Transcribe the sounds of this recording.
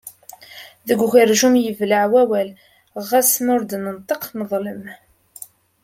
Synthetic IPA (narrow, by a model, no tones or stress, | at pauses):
ðəɡʷʝəɾʒumjəvləʕwæwæl | ʁæsnʊɾd̪nənt̪ˤəqnəðˤləm